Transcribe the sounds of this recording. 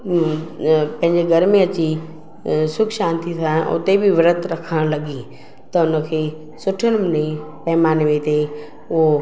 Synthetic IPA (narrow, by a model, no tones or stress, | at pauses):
pɐ̃ɦɪ̃ɲd͡ʑeɡɐɾmẽɐt͡ɕi | sʊkʰʃãːnt̪it̪ʰãːʔʊ̰t̪ebʱɪʋɪɾət̪ʰɾɐkʰəɽ̃lɐɡi | t̪ɐʊnə̆kʰeː | sʊʈʰənmɪnepɐɦmaːnʋet̪e | ʊɦo